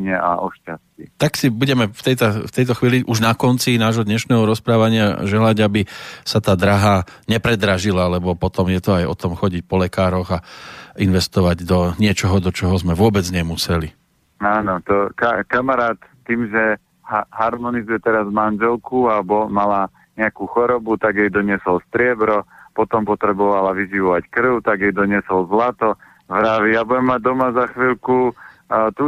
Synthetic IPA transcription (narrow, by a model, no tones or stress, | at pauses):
ɲɛa̰ʔɔʃcascit̪aksibuɟɛmɛft̪ɛjt̪aft̪ɛjt̪ɔxʋiːliʔuʒnakɔnt͡sinaːʒɦɔd̪ɲɛʃnɛːɦɔɾɔspɾaːʋaɲɪaʒɛlaɟabisat̪aːd̪ɾaɦaɲɛpɾɛd̪ɾaʒilalɛbɔpɔt̪ɔmjɛt̪ɔajɔ̰t̪ɔmxɔɟic̚pɔlɛkaːɾɔɣainʋɛst̪ɔʋaɟd̪ɔɲɪɛt͡ʃɔɦɔd̪ɔt͡ʃɔɦɔzmɛʋʊɔbɛd͡zɲɛmusɛli | aːnɔt̪ɔkakamaɾaːt̪ːiːmʒɛ | haɦaɾmɔnizujɛt̪ɛɾazmanʒɛlkuabɔmala | ɲɛakuxɔɾɔbut̪aɡjɛjd̪ɔɲɪɛsɔlst̪ɾɪɛbɾɔpɔt̪ɔmpɔt̪ɾɛbɔʋalaʋiʒiʋɔʋackr̩ʊt̪aɡjɛjd̪ɔɲɪɛsɔlzlat̪ɔ | ʋɾaʋijabujɛmːaɟ̚d̪ɔmazaxʋiːlku | t̪u